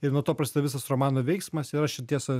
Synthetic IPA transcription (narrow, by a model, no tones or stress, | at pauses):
ɪɾnuɔt̪oːpɾɐsʲɪt̪ʲːʋʲɪsɐsroːmɑːnoːʋʲɛɪksmɐsɪɾɐʃʲɪt̪ʲiɛsɐ